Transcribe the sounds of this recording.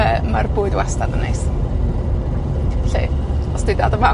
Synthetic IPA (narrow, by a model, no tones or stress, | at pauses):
əmarbuːɨdwastadənḛjs | ɬḛɔsd̥ɪdadɔva